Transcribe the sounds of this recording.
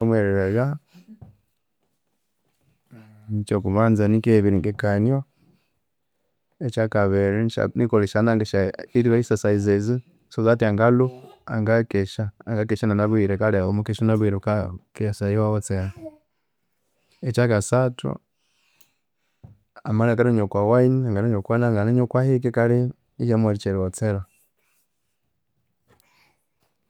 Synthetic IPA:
mweɾeɾeɣa | t͡ʃokuβanzanikeβiɾiŋɡekana | et͡ʃakaβeɾia̰nikoliʃanaŋɡeʃaiɾiwaisasaizezi | sozatiaŋɡalua̰ŋɡakeʃaːŋɡakɛʃananaβwiɾɛkalɔmukɛʃunaβiɾukakɛsaiwawɔt͡sɛɾa | ɛt͡ʃakasatʰṵ | amalakaɾuɲokwawaiɲiaŋɡaluɲokwanaŋɡanaɲokwahik̬ikaɾi | ijamwaɾit͡ʃɛɾwɔt͡sɛɾa

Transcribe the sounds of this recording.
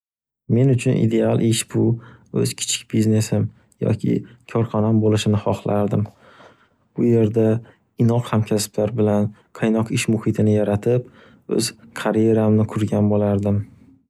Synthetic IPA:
me̞nʊt͡ʃʰʊnʔḭd̪e̞alˠʔɪʃb̥ʊɵ̰z̥kʲʰɪ̥t͡ʃʰɪ̥k̚ʲb̥izne̞sɪm | jɒ̰kʲʰɪ̰kʰɒɾχɒnambolɪʃɪnɪχɒχlˠaɾd̪ɪm | ʊje̞ɾd̪a | ɪnɒqhamkʲʰasɪ̥blaɾbɪlanqʰɑjnɒqɪʃmʊhɪt̪ʰɪnɪjaɾat̪ʰɪp̚ | ɵ̰z̥kʰaɾje̞ɾamnɪkʰʊɾɡʲanbolaɾd̪ɪm

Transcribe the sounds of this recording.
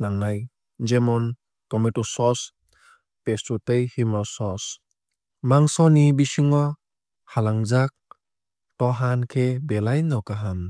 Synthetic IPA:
naŋnaj | d͡ʒemɔn | kɔmetɔsɔs | pestutɯjhimɔsɔs | maŋsɔnibisiŋɔ | halaŋzak̚ | tɔɦankʰebelajnɔkaɦam

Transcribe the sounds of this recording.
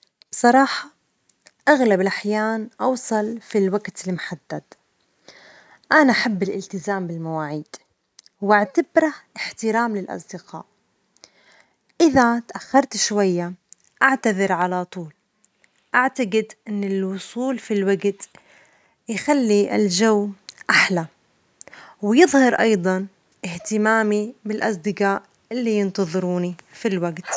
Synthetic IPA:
b̥sˤɑɾˤɑːħɑ | ʔaɣlabɪlʔaħjaːnʔɑwsˤɑlfilwaɡt̪ɪlmʊħad̪̥ːad̪̥ | ʔanaʔaħabːɪlʔɪlt̪ɪzaːmbɪlmawaːʕiːd̪̥ | wʔaʕt̪abɾˤaʔɪħt̪ɪɾaːmlɪlʔɑ̰sˤd̪ɪqa̰ːʔ | ʔɪðat̪ʔaxːɑɾˤt̪ʃwajːa | ʔaʕt̪aðɪɾʕalat̪ˤuːl | ʔaʕt̪aɡɪd̪ʔɪnːɪlwʊsˤuːlfilwaɡt̪ | jxalːiɪ̰lʒawːʔaħla | wjɨðˤhɑɾˤʔɑjd̪ˤɑn | ʔɪht̪ɪmaːmibɪlʔɑs̬ˤd̪ɪqaːʔ | ʔɪlːijɪnt̪ɑðˤɨɾuːnifilwaɡt̪

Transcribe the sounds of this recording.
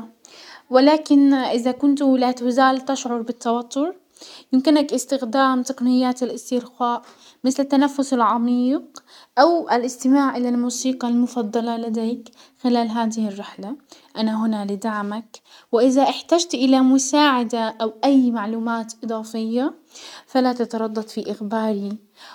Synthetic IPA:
wɪlaːkɪnʔɪðakʊnt̪lat̪zaːlt̪aʃʕʊɾˤbɪt̪ːɑwɑt̪ʰːʊɾ | jɪmkɪnakʔɪst̪ɪxd̪aːmt̪ɑqnɪjːaːt̪alʔɪst̪ɪɾxaːʔ | mɪθlɪt̪ːanafːʊsɪlʕɑmiːq | ʔawʔalʔɪst̪ɪmaːʕʔɪlalmuːsiːqɑlmʊfɑd̪ˤːɑlɑlad̪eːk | xɪlaːlɦaːðɪhɪrːɪħlaʔanaɦʊnalɪd̪aʕmak | wɪʔɪðaʔɪħt̪aːd͡ʒt̪ʔɪlamʊsaːʕad̪aʔawʔajːmaʕluːmaːt̪ʔɨd̪ˤɑːfɪjːa | falat̪ɑt̪ɑɾˤɑd̪ˤːɑt̪ˤfiʔɪxbaːɾi

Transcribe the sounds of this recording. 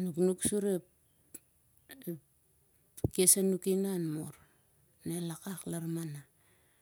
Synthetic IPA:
nuknuksuɾep | kesanukinanmo̰ɾ | nelakaklaɾmana

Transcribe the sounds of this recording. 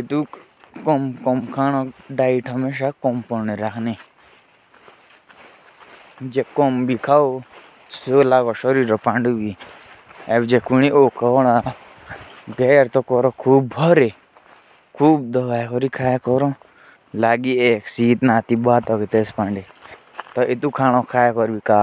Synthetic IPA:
et̪u | kɔmkɔmkʰaɽ̃ɔɖaːiʈɦʌmeːʃ̬akɔmpɔɾniɾakʰne | d͡ʒekɔmbikʰao | solaɡɔʃɔɾiːɾɔpaɳɖubi | ebd͡ʒekuñiʔokʰɔɽ̃a | ɡeːɾt̪ɔkɔɾɔkʰuːbːʱɔɾe | kʰuːb̚d̪ɔɡakɔɾikʰaːjkɔɾɔ̃ | laɡieːksiːt̪naːt̪ibaːt̪ɔkit̪espaɳɖe | t̪ɔʔɪt̪ukʰaːɽ̃ɔ̃kʰaːjkɔɾbikaː

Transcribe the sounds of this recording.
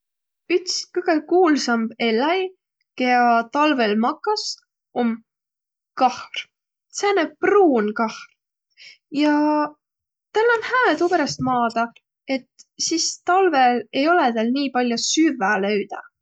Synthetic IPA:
yt̪skɯɡ̥ekuːlsɑmb̥e̞lːɑj | keɑt̪ɑlvelmɑkːˑɑs | om | kɑhr | seːnæb̚pruːnkɑhr | jɑ | t̪ælːonhæːt̪upeɾɑst̪̚mɑːd̪̥ɑ | e̞t̪sist̪ɑlvele̞jo̞lɛt̪ælniːpɑlʲjosyvælø̞ɥd̪̥ɑ̰

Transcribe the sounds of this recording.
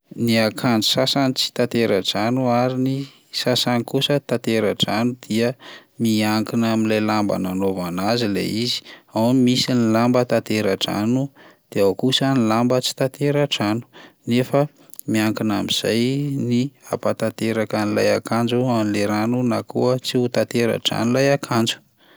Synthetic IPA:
niakʰand͡zu̥sasanit͡si̥t̪at̪eɾaʈ͡ʂanuaɾini | sasanikusət̪at̪eɾaʈ͡ʂanud̪̥iəmiaŋkinaminlajlamba̰nanovanazilḛizi̥awmimisinilambət̪at̪eɾaʈ͡ʂa̰nud̪̥eawkusənilambət͡si̥t̪at̪ʰeɾaʈ͡ʂanu̥nefə | miaŋkinamiz̥a̰jnia̰pat̪at̪eɾakanila̰jakand͡ʒuamileɾanunakṵət͡siut̪at̪eɾa̰ʈ͡ʂa̰nulajakʰand͡ʒu̥

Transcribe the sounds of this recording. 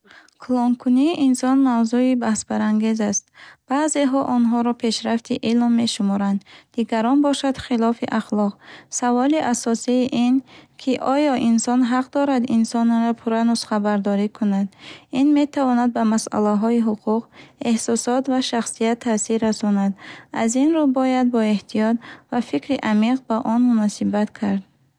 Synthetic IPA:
kʰlɔŋkʰuniːʔinsɔnmawzuibahsbaɾaŋɡe̞zast̪̚b̥aːze̞ɦɔʔɔnɦɔɾɔpʰe̞ʃɾaft̪ʰiʔilmːe̞ʃumɔɾand̪d̪iɡaɾɔnbɔʃad̪̥χilɔfiʔaχlɔqsavɔliʔasɔsiːʔinkʰiʔɔjɔʔinsɔnɦaqd̪ɔɾad̪insɔnɾɔpʰuɾanusχabaɾd̪ɔɾikʰunad̪inme̞t̪ʰavɔnad̪̚bamasa̰laɦɔiɦuqʰuqe̞hsɔsɔt̪vaʃaχsijat̪ʰːasiɾːasɔnad̪a̰zinɾubɔjad̪̚bɔe̞ht̪ʰijɔt̪̚vafikɾiʔamiqbaʔɔnmunɔsibat̪kʰaɾd̪̚

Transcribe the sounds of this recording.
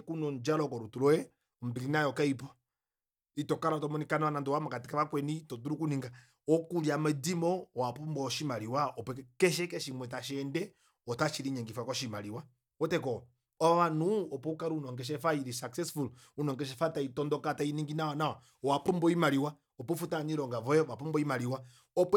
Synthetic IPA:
kunɔnd͡ʒalɔkɔɾutulɔɛ | ɔm̩biɾinajɔkaipɔ | itɔkaɾatɔmɔnikanawanandɔwamakatikaβakwɛnitɔduɾukuniŋɡa | ɔkuɾiamadimɔɔwapumbɔʃimaɾiwaɔpɛkɛʃ̬ɛkɛʃimwɛtaʃɛndɛ | ɔtaʃiɾiɲɛŋɡifakɔʃimaliwa | ɔtɛkɔ | ɔaβanuɔpɔukaɾuunɔŋɡɛʃ̬ɛfaiɾisaksɛsful | unɔŋɡɛʃ̬ɛfataitɔndɔkatainiŋɡinawanawa | ɔwapumbɔimaliwa | ɔpɔfutaɲiɾɔŋɡavɔɛɔwapɔmbɔimaliwa | ɔp

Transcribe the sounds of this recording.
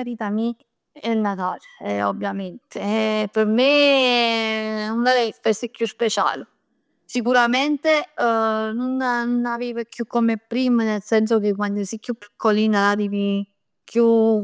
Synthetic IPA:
aɾiːt̪ami | enat̪aːleɛobːjament̪eɛpeɾme | unaɾɛfɛsikːjuspet͡ʃa̰ːlu | sikuɾament̪e | nunanunavivekjukːomepːɾiːmənelsɛns̬ok̟ek̬wand̪osikːjupːi̥kʰːoliːnalad̪ivi | kju

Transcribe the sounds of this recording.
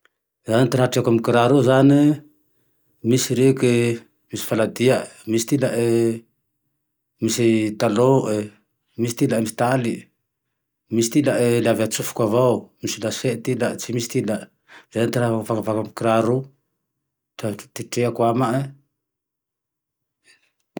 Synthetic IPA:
zanit̪aɾaʈ͡ʂiakamkiɾaɾuzani | misiɾeke | misi̥falad̪iamisi̥t̪ilaʔe | misit̪aloʔe | misi̥t̪ilamisi̥t̪ali | mist̪ilaʔelaveat͡ʃufkuavawmisilaseʔt̪ilaʔt͡ʃimist̪ilaʔ | z̥aant̪iɾaaavakavakamkiɾaɾu | tat̪iʈ͡ʂeakuamaʔe

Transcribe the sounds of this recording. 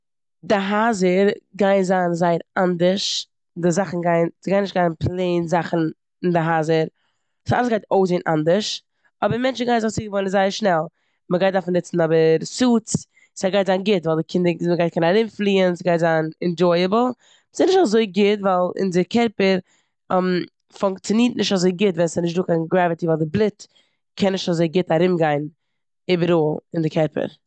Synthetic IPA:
dɪɦazəɾɡaɪnzaːnzaɪəɾandəɾʃ | dɪzaχn̩ɡaɪnsɪɡaɪnɪʃtɡaɪnpʰlˠeɪnzaχn̩ | ɪndɪɦazəɾ | sa̰lˠəsɡaɪtoʊs̬enʔa̰ndəʃ | ɔbəɾmɛnt͡ʃn̩ɡaɪnzɪχt͡siːɡəvɔɪnənzaɪəɾʃnɛlˠ | məɡaɪt̚daɾfn̩nɪt͡sn̩ɔbəɾsuːt͡s | sɛɡaɪtzaːnɡɪtvaːlˠdɪkʰɪndəməɡaɪt̚kʰɛnaɾɪmflˠiːənsɡaɪtzanɛnd͡ʒɔɪəbl̩ˠ | sɪnɪʃtazoɪɡɪtvalˠɪ̰ndɪkʰɛɾpəɾ | ɛm | fʊŋkt͡sjɪniːtnɪʃtazoɪɡɪtvɛnsɪnɪʃ̬tduːkaɪnɡɾavɪtivaːlˠdɪblˠɪt | kʰɛnːɪʃtazoɪɡɪtaɾɪmɡaɪn | iːbəɾoːlˠɪndɪkʰɛɾpə̰ɾ

